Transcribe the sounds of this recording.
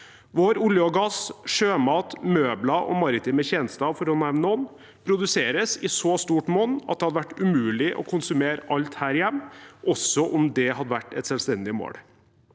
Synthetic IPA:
ʋoːɾʊljəɔɡɑsʂøːmɑːt̪møːblɑʔɔ̰mɑɾɪt̪ɪmɛçɛnəst̪ɑfɔɾɔnæmnɔn | pʰɾʊd̪ʉseːɾəsɪsɔst̪uːʈmɔnːɑt̪̚d̪ɛhɑd̪əʋæʈːʉmʉːlɪʔɔ̰kʰʊnsʉmeːɾʔɑlt̪hæːɾɪjɛmːʔɔsɔʔʊmd̪ɛhɑd̪əʋæʈːɛt̪sɛlst̪ɛnd̪ɪmo̰ːɽ

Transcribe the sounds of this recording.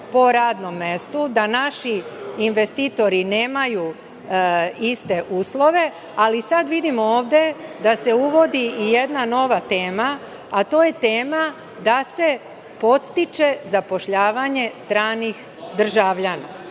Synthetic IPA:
po̞ɾaːd̪no̞mːest̪ud̪anaʃiːnʋe̞st̪it̪o̞ɾine̞ːmaju | ist̪e̞ʔuːslˠo̞ʋe̞ | alisad̪ʋid̪imooːʋd̪e̞d̪ase̞uʋo̞d̪iije̞d̪nano̞ʋat̪e̞ːma | at̪o̞ːje̞t̪e̞ːma | d̪ase̞ | po̞t̪st̪it͡ʃe̞zapo̞ʃʎaːʋaɲe̞st̪ɾaːnix | d̪r̩ʒaʋʎana̰

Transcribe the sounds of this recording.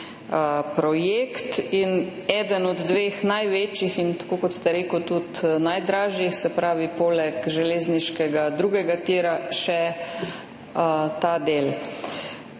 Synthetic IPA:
əpɾɔjekt̪inɛːd̪ənɔd̪ːʋeːxnajʋeːt͡ʃixint̪ḁkokɔt̪st̪ɛɾeːkut̪ut̪najd̪ɾaːʒjixsɛpɾaːʋipoːlɛkʒɛleːzniʃkɛɡad̪ɾuɡɛɡakt̪iːɾaʃɛ | t̪ad̪eːl

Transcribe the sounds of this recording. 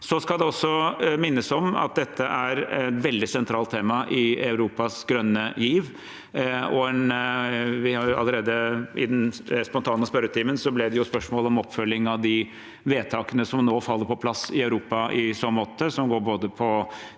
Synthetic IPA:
sɔskɑld̪ɛɔsːɔmɪnːəsɔmɑ̰t̪̚d̪ɛt̪ʰːəʔæɾɛt̪ʋɛld̪ɪsɛnt̪ʰɾɑːlt̪ʰeːmɑʔɪɑʉɾuːpɑsɡɾœnːəjiːʋ | ɔɛn | ʋɪhɑɾɑ̰lːəɾeːd̪əɪ̰d̪ɛnspɔnt̪ʰɑːnəspœɾət̪ʰiːmənsɔblɛd̪ɛjʊspœʂmoːlɔmɔpfœlːɪŋɑʋd̪ɪ | ʋeːt̪ʰɑːkənəsɔmnoːfɑlːəɾpʰɔpʰlɑsɪɑʉɾuːpɑʔɪsɔmːɔt̪ʰːəsɔmɡoːɾboːd̪əpʰɔ

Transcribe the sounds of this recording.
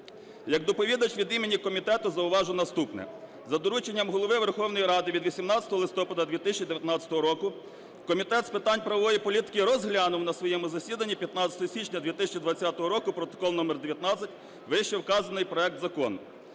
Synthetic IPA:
jɐkd̪ɔpɔʋʲid̪ɐt͡ʃʋʲid̪imenʲikɔmʲit̪ɛt̪ʊzɐʊʋɑʒʊnɐst̪upnɛ̰ | zɐd̪ɔɾut͡ʃenʲːɐmɦɔlˠɔʋɪʋerxɔwnɔjiɾɑd̪ɪʋʲid̪ʋʲisʲimnɑt͡sʲɐ̥t̪ɔɦɔlˠɪst̪ɔpɐd̪ɐd̪ʲʋʲit̪ɪsʲt͡ʃʲid̪eʋʲjɐt̪nɑt͡sʲɐ̥t̪ɔɦɔɾɔkʊ | kɔmʲit̪ɛt̪spɪt̪ɑnʲpɾɐɔʋɔjipɔlʲit̪ɪ̥kɪɾɔzɦlʲanʊwnɐsʋɔjɛmʊzɐsʲid̪ɐnʲːipʲjɐt̪nɑt͡sʲɐ̥t̪ɔɦɔsʲit͡ʃnʲɐd̪ʲʋʲit̪ɪsʲɐt͡ʃid̪ʋɐt͡sʲːat̪ɔɦɔɾɔkʊpɾɔt̪ɔ̥kɔlˠnɔmerd̪eʋʲjɐt̪nɑt͡sʲɐtʲ | ʋɪʃɛwkɑzɐnɪjpɾɔɛk̚t̪zɐkɔ̰nʊ

